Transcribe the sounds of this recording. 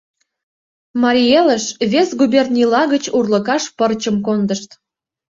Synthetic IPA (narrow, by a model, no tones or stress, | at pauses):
mɑɾʲijeləʃβesɡubʲernʲilɑɣət͡ɕurlə̆kɑʃpərt͡ɕə̆mkond̪əʃt̪